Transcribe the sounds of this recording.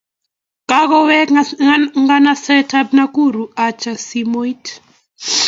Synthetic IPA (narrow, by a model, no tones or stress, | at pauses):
kʼak̬ɔwɛ | ŋɡanasɛtʰʼap̚nak̬ʼuɾuat͡ʃʰʼasimoitʰ